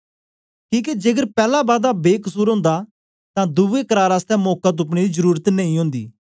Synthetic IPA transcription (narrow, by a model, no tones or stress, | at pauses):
kĩːk̬ed͡ʒeːɡəɾpɛːlabaːd̪abeːkəsuːɾɦõːnd̪a | t̪ãd̪uʋekəɾaːɾaːst̪ɛːmɔːkat̪̬ʊp̬ɽeːd̪izəɾuːɾət̪nəĩɦõːnd̪ḭː